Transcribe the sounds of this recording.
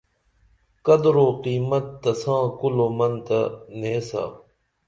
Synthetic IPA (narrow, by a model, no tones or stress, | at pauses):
kɐd̪ɾoːqiːmɐt̪̚ːɐsãːkuloːmɐnt̪ɐneːsa̰